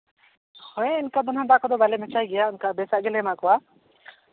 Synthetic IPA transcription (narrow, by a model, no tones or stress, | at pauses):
hʰɔɛ̃inkad̪ɔnãd̪aʔkɔd̪ɔbalɛmɛt͡ʃajɡɛjaunkabɛsaʔɡɛlɛmakɔwa